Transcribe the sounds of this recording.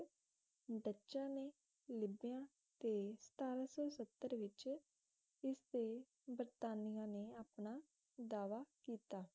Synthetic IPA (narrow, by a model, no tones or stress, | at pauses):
bətːʃãːneː | lɪbɪjãː | t̪eːsə̥t̪aːɾaːsɔːsət̪ːəɾʋɪt͡ʃ | ɪsd̪eː | bəɾt̪aːnɪjãːneːaːpnaː | d̪aːʋaːkiːt̪aː